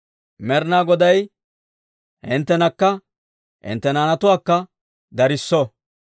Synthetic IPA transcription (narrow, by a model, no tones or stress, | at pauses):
mɛɾnaːɡɔd̪ɐj | hɪnt̪ːɛnɐkːɐ | hɪ̰nt̪ːɛnaːnɐt̪ʊwaːkːɐ | d̪ɐɾɪsːɔ